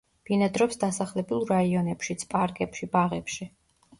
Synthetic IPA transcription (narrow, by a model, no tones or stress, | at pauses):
b̥inad̪ɾɔpsd̪asaχlɛbulˠɾaiɔnɛpʃit̪sʰpʼaɾkʼɛpʃibaʁɛpʃi